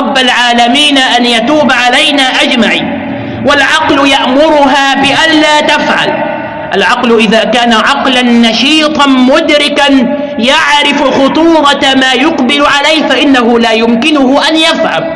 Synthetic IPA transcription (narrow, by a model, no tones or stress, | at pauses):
ɾˤɑbːalʕaːlamiːnaʔanjat̪uːbʕalajnaːʔad͡ʒmaʕḭː | walʕɑqlʊjaʔmʊɾʊɦaːbɪʔanlaːt̪afʕa̰l | ʔalʕɑqlʔɪðaːkaːnaʕɑqlanːɑʃiːt̪ˤɑmʊd̪ɾɪkan | jaʕɾɪfxʊt̪ˤuːɾˤɑmaːjʊqbɪlʊʕalajhfaʔɪnːaɦʊlaːjʊmkɪnʊɦʊʔanjafʕa̰m